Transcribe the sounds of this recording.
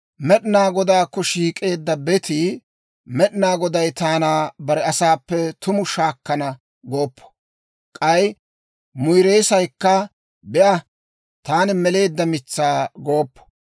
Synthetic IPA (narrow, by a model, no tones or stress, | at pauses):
mɛɗɪnaːɡɔd̪aːkːɔʃiːkʼe̞ːd̪ːɐbɛt̪i | mɛɗnaːɡɔd̪ɐjt̪aːnaːbɐɾɛɐsaːpːɛt̪ʊmʊʃaːkːɐnɐ | ɡoːpːɔ̥ | kʼɐj | mʊjɾeːsɐjkːɐ | bɛʔɐ | t̪aːnɪmɛle̞ːd̪ːɐmɪt͡sːaːɡoːpːɔ̥